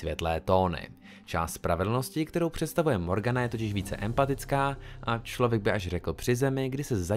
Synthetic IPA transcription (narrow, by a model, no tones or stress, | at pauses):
vʲjɛt̪lɛːt̪o̞ːnɪ̰ | t͡ʃa̰ːst̪spɾʔavɛdl̩no̞scɪk̚t̪ɛɾo̞wpr̝̥ɛt̪st̪avujɛmo̞ɾɡanajɛt̪ocɪʃviːt͡sɛ̰ʔɛmpat̪ɪt͡skaːʔat͡ʃlo̞vjɛɡ̚bɪʔaʃrɛkl̩pr̥ɪzɛmɪɡdɪsɛza